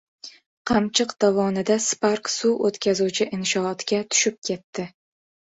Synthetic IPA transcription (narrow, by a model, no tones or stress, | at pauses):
qʰɑmt͡ʃʰɨqd̪̥avɒnɪd̪aspaɾksuot̪kʲʰazut͡ʃʰɪʔɪnʃɒɒt̪ɡʲat̪ʰʊ̥ʃɪp̚kʲʰe̞t̪ːɪ